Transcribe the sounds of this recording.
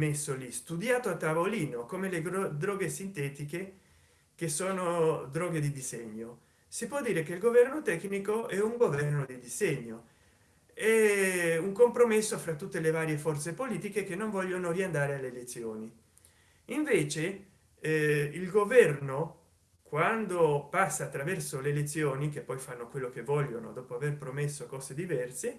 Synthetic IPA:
mesːolist̪ud̪jaːt̪oat̪ːavoliːnokomeled̪ɾɔːɡesint̪ɛːt̪ike | kesoːnod̪ɾɔːɡed̪id̪izeɲːo | sipwɔd̪ːiːɾekeilɡovɛrnot̪ɛknikoɛuŋɡovɛrnod̪id̪izɛɲːo | ɛuŋkompɾomesːofɾat̪ːut̪ːelevaːɾjefɔrt̪sepoliːt̪ikekenːoɱvɔʎːonoriand̪aːɾealeːlet̪sːjoːni | iɱveːt͡ʃe | ilɡovɛrno | kwand̪opasːaːt̪ːɾavɛrsoleːlet̪sːjoːnikepːɔjfanːokwelːokevːɔʎːono̰d̪ɔːpoaverpɾomesːokɔːzed̪ivɛrse

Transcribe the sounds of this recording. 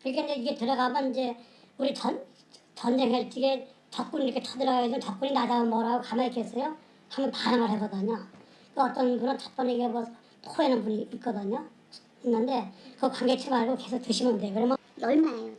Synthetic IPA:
kɯɾikʰeind͡ʑeiɡe̞tɯɾʌɡamjʌnind͡ʑe̞uɾit͡ɕʌn | t͡ɕʌnd͡ʑeŋɦeɭt͡ɕ͈ʰiɡe | t͡ɕʌp̚k͈uniɾʌkʰetʰʌdɯɾʌɣaed͡ʑimʌnt͡ɕʌp̚k͈uɲinad͡ʑaomʌɾaɡokamaik͈es͈ʌjo | kaŋɡʌnpaɾaŋɯɭɦeɡʌdɯɲo | kɯʌt͈ʌnbunɯnt͡ɕʌp̚p͈ʌniɡemwʌ | tʰoenɯnbuɲiːt̚k͈ʌdɯɲo | inːɯnde̞kɯkwaŋɡet͡ɕʰimaɭɡoke̞sʰok̚t͈ɯɕʰimɯndeokɯɾʌmo | jʌɭmaejo

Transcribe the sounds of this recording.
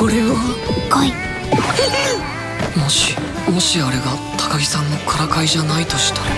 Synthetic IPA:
koɾe̞βakai | mo̞ɕi | mo̞ɕiaɾe̞ɡa | t̪ʰḁkaɡʲisãnːo̞kʰaɾakaiʑanait̪o̞ɕi̥t̪ḁ

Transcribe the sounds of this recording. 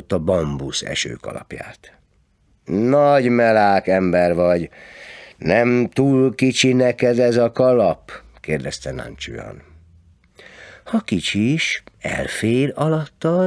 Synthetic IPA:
ot̪ːɒbɒmbusɛ̰ʃø̰ːkɒ̰lɒ̰pja̰ːt̪ | nɒɟmɛlaːkɛmbɛrʋɒɟ | nɛmt̪uːlkit͡ʃinɛkɛd̪ɛzɒkɒlɒp | keːrd̪ɛst̪ɛna̰nt͡ʃṵjɒ̰n | hɒkit͡ʃiʃɛ̰lfeːɾɒlɒt̪ːɒ

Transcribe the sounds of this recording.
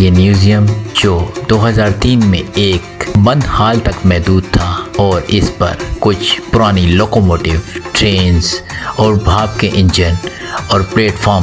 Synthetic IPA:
jeːmjuːzijəmd͡ʒoːd̪oːɦəzaːɾt̪iːnmḛ̃eːkbɐ̃nd̪haːlt̪ɐkmɛɦd̪uːd̪̚t̪ʰaɔːɾɪspɐ̰ɾkʊt͡ʃʰpʊɾaːniloːkomoːʈɪʋʈɾeːnzɔːɾbʱaːb̚keʔɪ̃nd͡ʒən | ɔːɾpleːʈfʰɔːɾm

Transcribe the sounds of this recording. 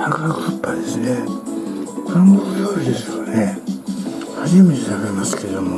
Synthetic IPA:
hakakɯ̥hɯpːad̪esɨne | kaŋɡokɯjoːɾid̪e̞sɨone | haʑimet̪esaɡemasɨ̥ked̪o̞mo

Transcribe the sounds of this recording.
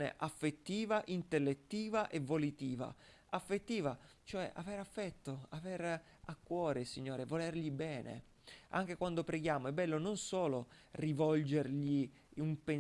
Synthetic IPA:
nḛʔafːet̪ːiːvaʔint̪elːet̪ːiːvaʔevolit̪iːva̰ | afːet̪ːiːvat͡ʃoɛʔa̰veɾafːɛt̪ːoaveɾ | akːwɔːɾesiɲːoːɾevolerʎibɛːnḛ | a̰ŋk̟ekwand̪opɾeɡjaːmoɛbːɛlːononsoːlo | rivɔld͡ʒerʎi | umpen

